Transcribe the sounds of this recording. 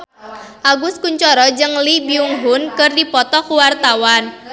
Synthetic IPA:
ʔaɡʊskuɲt͡ʃɔɾɔd͡ʒɨŋlibiuŋɦʊnkɨrdipɔt̪ɔkuwart̪awan

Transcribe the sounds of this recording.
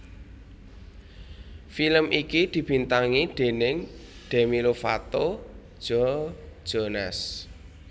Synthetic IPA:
filəmʔikid̪̥i̤b̥i̤nt̪aŋiɖ̪̥e̤nɪŋ | ɖ̪̥e̤milofat̪od̥ʒ̥ɔ̥ʒ̥ɔnas

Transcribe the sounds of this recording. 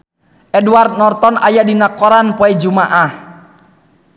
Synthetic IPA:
ʔɛduart̪̚nɔrt̪ɔnʔajadinakɔɾanpɔɛd͡ʒumaʔah

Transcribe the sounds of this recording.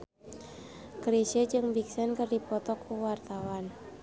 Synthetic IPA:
kɾisəd͡ʒɨŋbiksɛnkərdipɔt̪ɔkuwart̪awan

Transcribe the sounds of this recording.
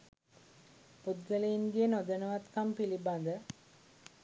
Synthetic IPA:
pud̪ɡəlejinɡejənod̪ənəʋat̪kampiliband̪ə

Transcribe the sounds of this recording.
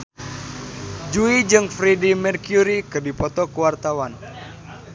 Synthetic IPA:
d͡ʒuid͡ʒɨŋfɾidimɛrkjuɾikɨrdipɔt̪ɔkuwart̪awan

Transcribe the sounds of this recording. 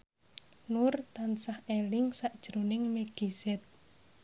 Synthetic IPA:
nʊrt̪ansahelɪŋsaʔd̥ʒ̥ɾonɪŋmeɡ̥izɛt̪̚

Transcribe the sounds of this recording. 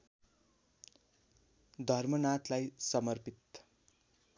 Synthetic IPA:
d̪ʱʌrmʌnat̪lajsʌmʌrpit̪

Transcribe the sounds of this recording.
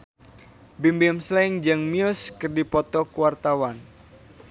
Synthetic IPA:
bimbiɛmslɛŋd͡ʒɨŋmiɔskɨrdipɔt̪ɔkuwart̪awan

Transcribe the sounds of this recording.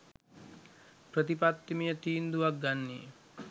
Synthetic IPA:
pɾət̪ipat̪ːimijət̪iːnd̪uʋak̚ɡanːḭ

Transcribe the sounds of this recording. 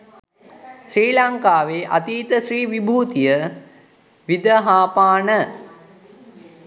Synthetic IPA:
ʃɾiːlaŋkaːʋeːʔa̰t̪iːt̪əʃriːʋibʱuːt̪ijə | ʋid̪əɦaːpaːnə

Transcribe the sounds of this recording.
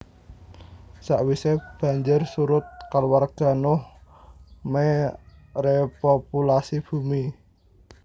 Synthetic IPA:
saʔwiseb̥a̤ɲd͡ʒɪrsuɾʊt̪̚kalwarɡ̥a̤nʊh | me | repopulasib̥ṳmi

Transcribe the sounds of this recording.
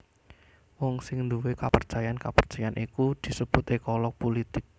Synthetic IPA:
wɔŋsɪŋnd̪uwekapərt͡ʃajankapərt͡ʃajanʔikud̪̥i̤səb̥ṳt̪ekɔlɔk̚polit̪ɪk̚

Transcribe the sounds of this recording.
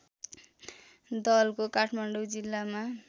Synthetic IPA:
d̪ʌlkokaʈʰmaɳɖowd͡zilːama

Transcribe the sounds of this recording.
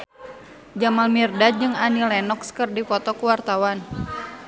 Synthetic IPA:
d͡ʒamalmirdad͡ʒɨŋanilɛnɔkskɨrdikɔt̪ɔkuwart̪awan

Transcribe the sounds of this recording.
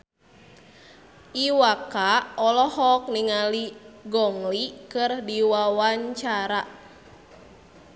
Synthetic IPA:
ʔiwakaɔlɔhɔk̚niŋaliɡɔŋlikɨrdiwawaɲt͡ʃaɾa

